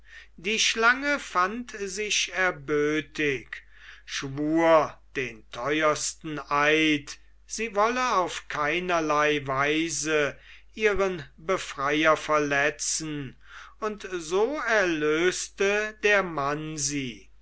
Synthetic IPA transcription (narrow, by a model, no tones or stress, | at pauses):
d̥iːʃlaŋəfantzɪʃɛɐbøːtɪk | ʃvuːɐd̥eːntʰɔʏɐstn̩ʔaɪt | z̥iːvɔləaʊfkʰaɪnɐlaɪvaɪzə | ʔiːʁənbəfʁ̥ajɐfɛɐlɛt͡sn̩ | ʊntzoːɛɐløːstədeːɐmanziː